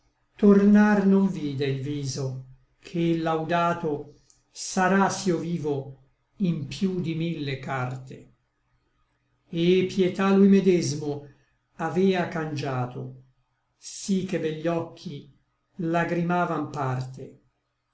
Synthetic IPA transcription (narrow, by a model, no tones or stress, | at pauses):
t̪ornarnoɱviːd̪eilviːzo | kʰelːawd̪aːt̪o | saɾasjoviːvo | impjud̪imilːekart̪e | epːjet̪alujmed̪ɛzmo | avɛːakand͡ʒaːt̪o | sikːebeʎːɔkʰːi | laɡɾimaːvampart̪e